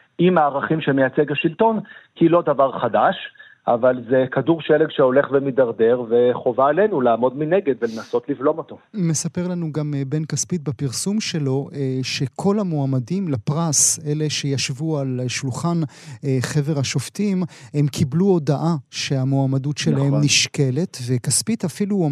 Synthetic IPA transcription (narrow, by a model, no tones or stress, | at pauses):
imaːʁaχimʃemejat͡seɡaʃilt̪o̞nkilo̞davaʁχadaʃ | ʔavalzekaduʁʃeleɡʃeo̞le̞χvemidaʁde̞ʁve̞χo̞vaele̞nulaːmo̞dmineɡed̪velenaso̞t̪livlo̞mo̞t̪o̞me̞sape̞ʁlanuɡambe̞nkaspit̪̚bapiʁsumʃe̞lo̞ʔʃe̞kʰo̞lamoamadimlapʁase̞le̞ʃe̞jaʃvualʃulχan | χe̞ve̞ʁhaʃo̞ftimhe̞mkʰibluo̞daʔaʃe̞amoamadutʃelahemniʃke̞le̞t̪vekaspitafilu